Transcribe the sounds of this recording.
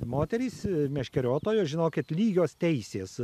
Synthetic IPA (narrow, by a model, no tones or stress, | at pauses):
moːt̪ʲɛɾʲiːsmʲɛʃʲkʲɛɾʲoːt̪oːjoːʒʲɪnoːkʲɪt̪lʲiːɡʲoːst̪ʲɛɪsʲeːs